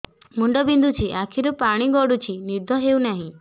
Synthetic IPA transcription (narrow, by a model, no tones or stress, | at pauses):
muɳɖɔbind̪ʱut͡ʃʰiʔakʰiɾupaɽ̃iɡɔɽut͡ʃʰiniɾd̪ʱɔɦeunaɦĩ